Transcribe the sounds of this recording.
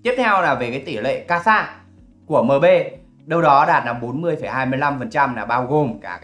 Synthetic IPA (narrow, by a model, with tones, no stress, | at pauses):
t̪i˦˥p̚t̪ʰɛ˧wlaː˨˩ve˨˩kaː˨˦jt̪i˧˩lḛ˧˨kaː˧saː˧˥ | ku˧˩əməː˨˩ɓe˧ | ɗə˧wɗɔ˨˦ɗaː˨˩t̚na˧˩mɓo˨˦nmɨ˧əjfə˧˩jɦaː˧jmɨ˧əjla˧mfə˨˩nt͡ɕa˧mlaː˨˩ɓaː˧wɣo˨˩mkaː˧˩